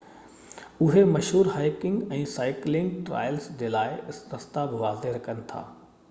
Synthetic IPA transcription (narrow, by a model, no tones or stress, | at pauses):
ʊɦemɐʃɦuːɾɦaːɪkɪ̃ŋɡɛ̃ːsaːɪklɪ̃ŋɡʈɾa̰ːjəlsd͡ʑeːlaːɪɪsɾɐst̪abɪʋaːzeɾɐkʰənɪ̆t̪ʰa̰ː